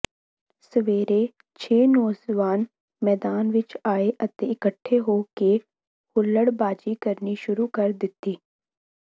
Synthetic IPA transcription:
səʋeːɾeː | t͡ʃʰeːnɔːzʋaːn | mɛːd̪aːnʋɪt͡ʃaːeːʔət̪ẽːɪkəʈʰːeːɦoːke | hʊlːəɽbaːd͡ʒiːkəɾniːʃʊɾuːkəɾd̪ɪt̪ːiː

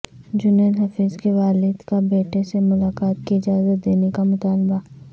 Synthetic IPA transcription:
d͡ʒʊneːlɦɐfiːzkeʋaːlɪd̪kabeːʈesemʊlaːkaːt̪̚kiɪd͡ʒaːzət̪̚d̪eːnekamʊt̪aːlba

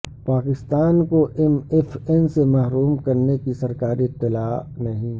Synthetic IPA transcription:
paːkɪst̪aːnkoʔɛmɛfʰɛnsemɐɦɾuːmkɐɾnekisɐɾkaːɾiɪt̪ːɪlaːnɐɦĩ

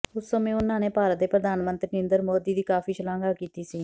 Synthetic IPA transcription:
ʊsːəmẽːʊnãːneːpaːɾət̪̚d̪eːpɾəd̪aːnmə̃nt̪ɾiːnẽːnd̪əɾmoːd̪iːd̪iːkaːfʰiːʃəlãːŋɡaːkiːt̪iːsiː

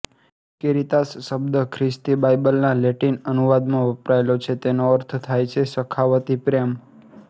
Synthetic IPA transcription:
keɾit̪asːəbd̪əkʰɾɪst̪ibajbəlnãleʈinənuʋad̪mãʋəpɾaelot͡ʃʰet̪enoəɾt̪ʰt̪ʰajt͡ʃʰesəkʰaʋət̪ipɾem

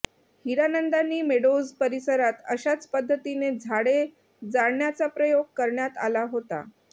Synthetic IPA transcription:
hiɾanənd̪anːiːmeɽozpəɾisəɾat̪əɕat͡spəd̪ʱːət̪ined͡zʱaɽe | d͡zaɽɳjat͡sapɾəjoɡ̚kəɾɳjat̪a̰laɦot̪a̰

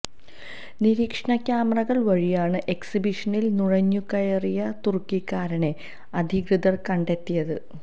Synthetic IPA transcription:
niɾiːkʂɐɳɐkʲːjaːmɐrɐɣɐɭʋɐɻijaːɳɨʔe̞ksibiʂɐnilnuɻɐɲːukɐjɐrijɐt̪urkːikːaːɾɐɳe̞ | ɐd̪ʱiɣrɨd̪ɐrkɐɳɖe̞t̪ːijɐðɨ

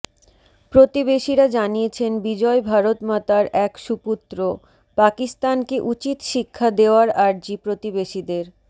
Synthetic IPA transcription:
pɾot̪ibeʃiɾad͡ʑaniet͡ɕʰenbid͡ʑɔebʱaɾot̪mat̪aɾɛkʃuput̪ːɾo | pakist̪ankeʔut͡ɕit̪ʃikʰːad̪eoaɾaɾd͡ʑipɾot̪ibeʃid̪eɾ

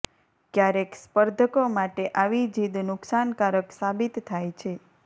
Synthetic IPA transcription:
kjaɾekspəɾd̪ʱəkomaʈeʔaʋid͡ʒid̪nʊksankaɾəksabit̪ʰːajt͡ʃʰe

